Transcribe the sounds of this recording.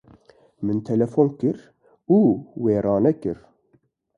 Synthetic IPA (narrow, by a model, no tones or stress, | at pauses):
mɨnt̪ʰɛlɛfoːnkɨɾ | uːweːɾɑːnɛkɨ̰ɾ